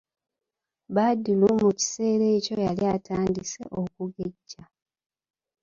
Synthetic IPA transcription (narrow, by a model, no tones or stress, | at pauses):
βadilumuci̥se̞ːɾe̞ːco̞jaliatʰaːndise̞̰ʔokuɡe̞ɟːa